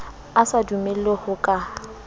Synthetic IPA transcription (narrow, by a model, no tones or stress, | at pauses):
asadumɛlohʊkʼa